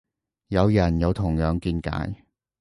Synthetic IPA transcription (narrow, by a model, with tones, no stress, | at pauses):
jɐ˨˧wjɐ˨˩njɐ˨˧wt̪ʰʊ˨˩ŋjœː˨˧ŋkiː˧nka̰ː˨˥j